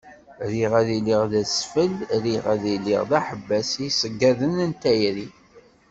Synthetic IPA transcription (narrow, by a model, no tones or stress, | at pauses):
ɾiʁæðiliʁðæsfəlɾiʁæðilḭʁðæħəbːæsisəɡːæðənənt̪æjɾi